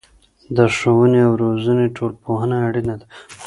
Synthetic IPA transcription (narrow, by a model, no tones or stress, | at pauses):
d̪əʂowəneawɾozəneʈolpoɦənaːɽinad̪a